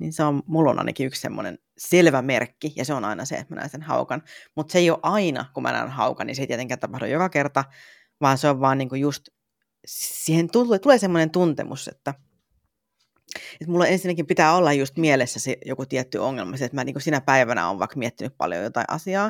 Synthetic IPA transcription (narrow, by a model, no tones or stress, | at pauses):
nḭːnseommulːo̰nɑ̰ˑḭnɑkiykssḛmːo̰nḛn | selʋæmerkːijɑseonɑ̰inɑsḛḛt̪mænæ̰ːnsenhɑ̰ukɑnmut̪seijoʔɑinɑ̰kumʔæ̰næ̰ːnhɑukɑnḭnseit̪iet̪eŋkːæːnt̪ɑpɑhdo̰jokɑkert̪ɑ | ʋɑːnseoʋʋɑːnniːŋkujust̪ | ssihent̪ut̪uleːsemːonent̪unt̪ḛmusḛt̪ːæ | et̪mulːoensinːækimpit̪æːolːɑjjust̪mielesːæsejokut̪iɛt̪ːyoŋːelmɑsiet̪mæniːŋkusinæpæiʋænæ̰o̰ːʋɑ̰ikmiet̪ːinyppɑ̰ljo̰jot̪ɑ̰ḭ̃ʔɑ̰siɑː